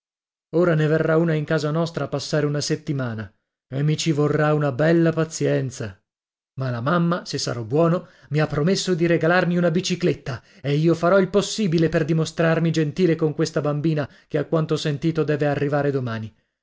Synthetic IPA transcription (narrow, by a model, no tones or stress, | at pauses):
oːɾaneverːaunaiŋkaːzanɔst̪ɾapasːaːɾeunaset̪ːimaːna | emːit͡ʃivorːaunabɛlːapat̪sjɛnt̪sa | malamamːasesːa̰ɾɔbːwɔːnomiapːɾomesːod̪iɾeɡalarmiunabit͡ʃiklet̪ːa | eiːofaɾɔilposːiːbileperd̪imost̪ɾarmid͡ʒent̪iːlekoŋkwest̪abambiːna | keakːwant̪osent̪iːt̪od̪ɛːvearːivaːɾed̪omaːni